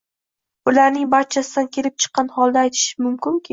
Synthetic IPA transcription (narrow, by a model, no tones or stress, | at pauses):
ʊlaɾnɪŋbaɾt͡ʃʰasɪd̪ankʲʰe̞lɪp̚t͡ʃʰɨ̥qːɑnhɒlˠd̪aːjt̪ʰɪ̥ʃɪmʊmkʲɪŋkʲɪ